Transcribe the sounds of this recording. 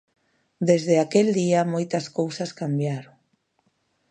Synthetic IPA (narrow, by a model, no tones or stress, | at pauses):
d̪ezðeakeld̪iɐmojt̪ɐskowsɐskambjaɾoŋ